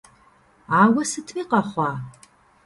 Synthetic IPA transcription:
aːwɐsɨtʰiːqɐχʷɑː

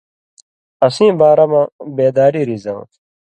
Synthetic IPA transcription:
ɐsĩːbaːɾɐmãbeːd̪aːɾiɾizɐ̰̃

